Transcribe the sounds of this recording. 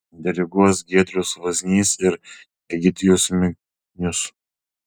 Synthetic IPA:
d̪ʲɛɾʲɪɡuɔsɡʲiɛt̪ʲɾʲʊsʋɐzʲnʲiːsɪɾ | ɛɡʲɪt̪ʲɪjʊsmʲɪ | nʲʊs

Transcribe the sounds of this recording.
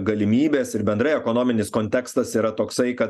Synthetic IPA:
ɡɐlʲɪmʲiːbʲeːsɪɾbʲɛnd̪ɾɐɪɛkonoːmʲɪnʲɪskonʲt̪ʲɛkst̪ɐsiːɾɐt̪oːksɐɪkɐt̪

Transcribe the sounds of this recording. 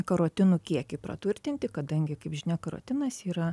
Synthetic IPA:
kɐɾoːt̪ʲɪnʊkʲiɛkʲɪpɾɐ̰t̪ʋʊɾʲt̪ʲɪnʲt̪ʲɪkɐd̪ɐŋʲɡʲɪkɐɪpʒʲɪnʲɛkɐɾo̰ːt̪ʲɪnɐsiːɾɐ

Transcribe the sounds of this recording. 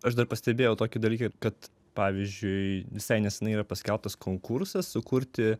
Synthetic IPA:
ɐʃd̪ɐrpɐsʲt̪ʲɛbʲeːjɛʊt̪oːkʲɪd̪ɐlʲiːkɐkɐt̪ | pɑːʋʲiːzʲd͡ʒʲʊɪʋʲɪsɐɪnʲɛsʲɪnɐɪiːɾɐpɐsʲkʲɛlˠp̚t̪ɐskʰoːŋkuɾsɐssʊkuɾʲt̪ʲɪ

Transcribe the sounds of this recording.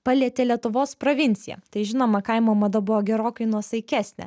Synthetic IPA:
pɐlʲiɛt̪ʲeːlʲiɛt̪ʊʋoːspɾoːʋʲɪnʲt̪sʲɪjɛ̰t̪ɐɪʒʲɪnoːmɐkɐɪmoːmɐd̪ɐbʊʋoːɡʲɛɾoːkɐɪnuɔsɐɪkʲæːsʲnʲɛ̰

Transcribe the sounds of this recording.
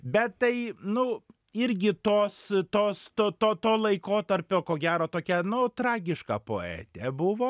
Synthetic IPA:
bʲɛt̪t̪ɐɪnʊ | ɪɾʲɡʲɪt̪oːst̪oːst̪oːt̪oːt̪oːlˠɐɪkoːt̪ɐɾʲpʲoːkoːɡʲæːɾoːt̪oːkʲɛnʊt̪ɾɑːɡʲɪʃkɑ̰po̰ːɛ̰ːt̪ʲɛbʊʋoː

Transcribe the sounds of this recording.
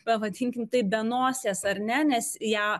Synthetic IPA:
pɐʋɐd̪ʲiŋʲkʲɪnt̪ɐɪbʲɛnoːsʲeːsɐɾʲnʲɛnʲɛsjæː

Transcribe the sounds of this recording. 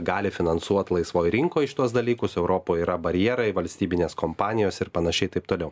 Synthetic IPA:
ɡɑːlʲɪfʲɪnɐnsuɔt̪lˠɐɪsʋoːjɾʲɪŋkoːɪʃʲt̪uɔsd̪ɐlʲiːkʊsɛʊɾoːpoːjiːɾɐbɐɾʲjɛɛɾɐɪʋɐlʲsʲt̪ʲiːbʲɪnʲeːskompɑːnʲɪjoːsɪɾpɐnɐʃʲɛɪt̪ɐɪp̚t̪oːlʲɛʊ

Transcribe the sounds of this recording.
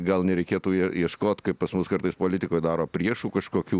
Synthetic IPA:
ɡɐlˠnʲɛɾʲɛɪkʲeːt̪uːɛiɛʃkoːt̪ʲkɐɪppɐsmʊskɐɾt̪ɐɪspoːlʲɪt̪ʲɪkoːjd̪ɑːɾoːpʲɾʲiɛʃuːkɐʃkoːkʲuː

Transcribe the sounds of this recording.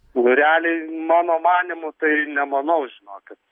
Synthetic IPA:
nʊɾʲæːlʲɛɪmɑːnoːmɑːnʲɪmʊt̪ɐɪnʲɛmɐnɐʊʒʲɪnoːkʲɪt̪

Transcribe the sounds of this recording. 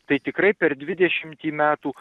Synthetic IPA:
t̪ɐɪt̪ʲɪkɾɐɪpʲɛɾd̪ʲʋʲɪd̪ʲɛʃʲɪmʲt̪ʲiːmʲæːt̪uː

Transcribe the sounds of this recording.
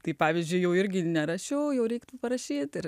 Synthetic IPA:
t̪ɐɪpɑːʋʲɪzʲd͡ʒʲʊɪjɛʊɪɾʲɡʲɪnʲɛɾɐʃʲɛʊjɛʊɾʲɛɪkt̪ʊpɐɾɐʃʲiːt̪ɪɾ

